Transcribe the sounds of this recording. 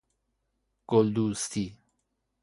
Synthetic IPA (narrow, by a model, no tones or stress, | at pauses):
kold̪ust̪i